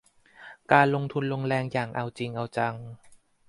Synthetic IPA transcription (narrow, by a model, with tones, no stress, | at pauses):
kaː˧nlo˧ŋt̪ʰu˧nlo˧ŋlɛː˧ŋjaː˨˩ŋʔa˧wt͡ɕi˧ŋʔa˧wt͡ɕa˧ŋ